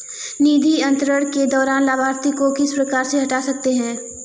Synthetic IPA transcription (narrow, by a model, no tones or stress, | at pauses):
niːd̪ʱiɐ̃nt̪ɾəɽ̃ked̪ɔːɾaːnlaːbʱaːɾt̪ikokɪspɾɐkaːɾseɦɐʈaːsɐk̚t̪eɦɛ̃ː